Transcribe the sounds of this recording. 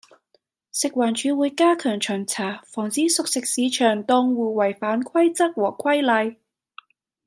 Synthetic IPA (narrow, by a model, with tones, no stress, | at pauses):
sɪ˨k̚waː˨˩nt͡ʃyː˨˧˥wuː˨˧jkaː˥kʰœː˨˩ŋt͡ʃʰœː˨˩ŋt͡sʰaː˨˩fɔː˨˩ŋt͡siː˨˥sʊ˨k̚sɪ˨k̚siː˨˧t͡ʃʰœː˨˩ŋt̪ɔ˧ŋwuː˨˩wɐ˨˩jfaː˨˥nkʰɐ˥jt͡sɐ˥k̚wɔː˨˩kʰwɐ˥jlɐ˨˧j